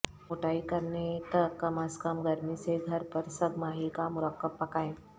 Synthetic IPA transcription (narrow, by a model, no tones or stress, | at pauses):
oːʈaːikɐɾnet̪ɐkːɐmaskəmɡɐɾmiseɡʱɐɾpɐɾsɐɡmaːɦikamʊɾəkːəb̚pɐkaːẽː